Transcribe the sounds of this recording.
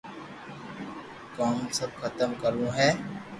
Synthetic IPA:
kaːmsɐb̚xɐt̪əmkəɾũɦɛː

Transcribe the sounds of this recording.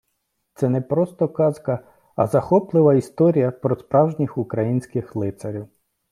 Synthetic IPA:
t̪sɛnɛpɾɔst̪ɔkɑzkɐ | ɐ̰zɐxɔplˠɪʋɐist̪ɔɾʲijɐpɾɔspɾɑwʒnʲixukɾɐjinʲsʲkɪxlˠɪt̪sɐɾʲiw

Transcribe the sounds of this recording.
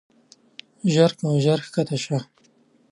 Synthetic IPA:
ʒaɾkaʒaɾxkat̪aʃa

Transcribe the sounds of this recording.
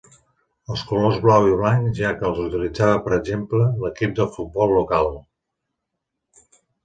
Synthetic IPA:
əlˠskulozβlawiβ̞laɲʒakəːlˠzut̪ilid͡zaβəpəɾəɡʒemplələkip̚d̪əlˠfut̪̚bɔlˠːukalˠ

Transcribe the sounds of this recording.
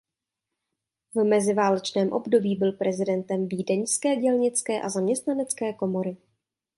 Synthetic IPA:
vmɛzɪvaːlɛt͡ʃnɛːmʔo̞̰bdo̞biːbɪlpɾʔɛzɪdɛnt̪ɛmviːdɛɲskɛːɟɛlɲɪt͡skɛːʔazamɲɛst̪nanɛt͡skɛːko̞mo̞ɾɪ

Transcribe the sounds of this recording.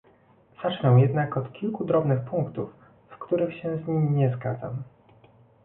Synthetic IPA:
z̥at͡ʂnɛ̃w̃jɛd̪nakɔt̪kʲilkud̪ɾɔbnɘxpuŋkt̪ufː | kt̪uɾɘxɕɛzɲimʲiɲɛzɡad̪za̰m

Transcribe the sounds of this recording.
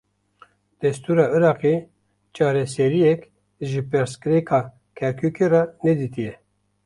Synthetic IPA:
d̪̥ɛst̪uːɾɑːɨɾɑːqe | t͡ʃɑːɾɛsɛɾijɛk | ʒɪpɨɾskɨɾekʰɑː | kʰɛɾkʰukʰerɑnɛd̪iːt̪ijɛ

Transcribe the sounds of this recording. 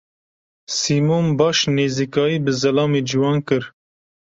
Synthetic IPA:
siːmoːmbɑːʃneːziːkɑːjiːbɨzɛlɑːmeːd͡ʒiwɑːnkɨɾ

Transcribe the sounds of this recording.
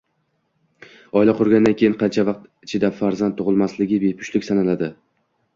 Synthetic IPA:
ɒɪlaqʰʊɾɡʲand̪ankʲʰeɪnqʰɑnt͡ʃʰavɑq̚t̪ɪt͡ʃʰɪd̪afaɾzant̪ʰːʊʁɨlˠmaslɪɡʲɪbe̞pʰʊ̥ʃlɪkʲsanalad̪ɪ

